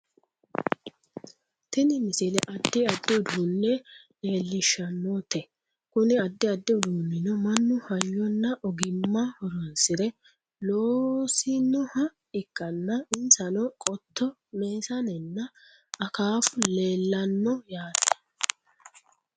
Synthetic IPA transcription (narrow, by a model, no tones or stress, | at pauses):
t̪ɪnɪmɪsɪlɛʔɐd̪ːɪɐd̪ːɪʊd̪unːɛ | eːlːɪʃːɐnːɔt̪ɛ | kʊnɪɐd̪ːɪɐd̪ːɪʊd̪uːnːɪnɔmɐnːʊhɐjːɔnːɐʔɔɡɪmːɐhɔɾɔnsɪɾɛ | loːsɪnːɔhɐ | ɪkʼːɐnːɐɪnsɐnɔkʼɔt̪ːɔ | meːsɐnɛnːɐ | ɐkaːfʊleːlːɐnːɔjaːt̪